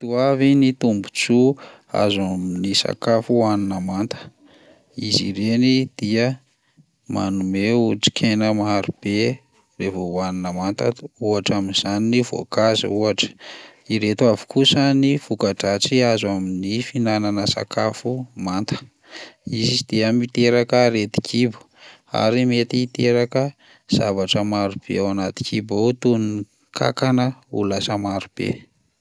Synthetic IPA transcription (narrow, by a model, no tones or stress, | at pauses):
t̪uavinit̪umbut͡su | a̰zaminisa̰kafuaninəmant̪ə̥ | izḭɾenid̪̥iə | manumeuʈ͡ʂi̥kʰenəmaaɾub̥e | revowaninəmant̪əuaʈ͡ʂaminzaninivo̰kazḭuaʈ͡ʂə̥iɾet̪uavi̥kʰusanifukaʈ͡ʂaʈ͡ʂiazwaminifinananəsa̰kʰafumant̪ə̥ | izid̪̥eamit̪eɾakəɾet̪i̥kʰibu̥ | a̰ɾimet̪iːt̪eɾakə | z̥avaʈ͡ʂəmaɾub̥ḛawanat̪i̥kʰibaut̪unni | kʰa̰kanəulasəmaɾupḛ